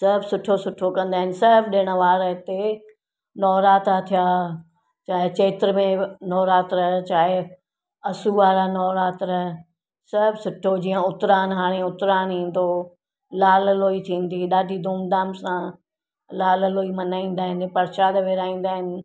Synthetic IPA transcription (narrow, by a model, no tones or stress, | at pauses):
sɐbsʊʈʰosʊʈʰokɐ̃nd̪aːɦɪnɪ̆sɪɾbʰɗɪːɽ̃əʋaːɾət̪e | nɔːɾaːt̪at̪ʰijaː | t͡ɕaːɦɪt͡ɕeːt̪ɪɾəmẽnɔːɾaːt̪ɾɐɦt͡ɕaːɦɪ | ɐsuʋaːɾanɔːɾaːt̪ɾɐɦ | sɐɾbsʊʈʰod͡ʑiːə̃ʊt̪ɾaːnɦaːɽ̃eʊt̪ɾaːnɦĩːnd̪o | laːlloːit̪ʰĩːn̆d̪iɗaːɖʱid̪ʱoːmd̪aːmsã | laːlloːimɐnaːĩːn̆d̪aːɦɪnɪ̆pɐɾʃaːd̪ʋeːɾaːĩːn̆d̪aːɦɪnɪ̆